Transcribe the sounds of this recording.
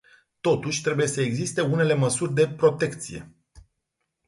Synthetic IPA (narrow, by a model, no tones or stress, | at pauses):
t̪o̞t̪uʃʲt̪ɾe̞buje̞səe̞ɡzist̪e̞une̞le̞məsurʲd̪e̞pɾo̞t̪e̞kt̪sije̞̰